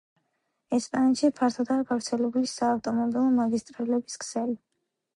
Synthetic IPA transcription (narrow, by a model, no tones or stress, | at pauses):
ɛspʼanɛt̪ʃipʰaɾt̪ʰɔd̪aɡavɾt̪sʰɛlɛbulisaːft̪ʼɔmɔbilˠɔmaɡist̪ʼɾalɛbiskʰsɛli